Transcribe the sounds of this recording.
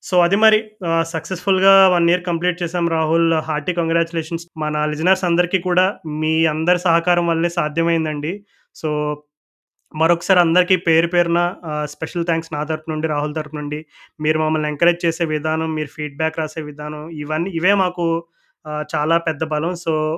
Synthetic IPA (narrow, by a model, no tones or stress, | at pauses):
so̞ːɐd̪imɐɾisɐksespʰulɡaːʋɐnːiːɾukɐmpliːʈ̚t͡ʃɛːsaːmɾaːɦulɦaːɾʈiːkoŋɡɾaːt͡ʃulɛːʂɐnsmɐnɐlid͡ʒɐnɐɾsɐnd̪ɐɾikiːkuːɽaːmiːɐnd̪ɐɾisɐɦɐkaːɾɐmʋɐlːeːsaːd̪ʱjɐmɐjind̪ɐɳɖi | soː | mɐɾɔkːɐ̥saːɾiɐnd̪ɐɾikiːpeːɾupeːɾunɐspɛʂɐlt̪ʰaːŋksnaːt̪ɐɾpunuɳɖiɾaːɦult̪ɐɾpnuɳɖimiːɾumɐmːɐlneŋkɐɾeːd͡ʒt͡ʃeːse̞ːʋid̪ʱaːnɐmːiːɾupʰiːɖ̚baːkɾaːse̞ːʋid̪ʱaːnɐmiʋɐnːiːʋe̞ːmaːku | t͡ʃaːlaːpɛd̪ːɐbɐlɐmsoː